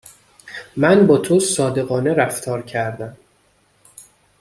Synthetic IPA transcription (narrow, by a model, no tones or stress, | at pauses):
mænbɒːt̪ʰosɒːd̪e̞ɣɒːneɾæft̪ʰɒːɾcʰæɾd̪æm